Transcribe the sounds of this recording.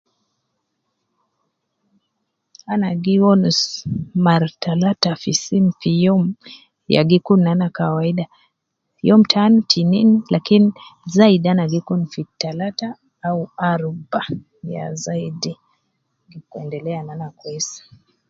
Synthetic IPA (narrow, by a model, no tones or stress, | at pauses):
anaɡiwɔnsmaɾtalatafisimfijɔm | ja̰ɡikunanakawaiɗa | ijɔm̩tʰanitʰininilakinizaiɗianaɡikunfitalataː | uaɾba | ja̰zaidi | ɡikuɛ̰ndɛlɛananakwɛsḁ